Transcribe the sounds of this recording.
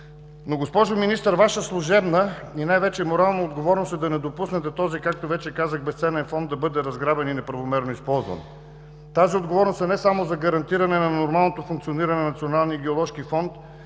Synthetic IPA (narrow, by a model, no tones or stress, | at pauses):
noɡospɔʒominist̪əɾvaʃəslˠuʒɛbnəinajvɛt͡ʃɛmoɾalˠnood̪ɡovɔɾnosɛd̪ɐnɛd̪opusnɛt̪ɛt̪ɔzikak̚t̪ovɛt͡ʃɛkazəxbɛst̪sɛnɛnfɔnd̪ːɐbɤd̪ɛɾɐzɡɾabɛninɛpɾɐvomɛɾnoispɔlˠzvə̰n | t̪aziod̪ɡovɔɾnost̪ɛnɛsamozɐɡɐɾɐnt̪iɾɐnɛnɐnoɾmalˠnot̪ofuŋk̚t̪sioniɾɐnɛnɐt̪sionalˠniiɡɛolˠɔʃkifɔnt̪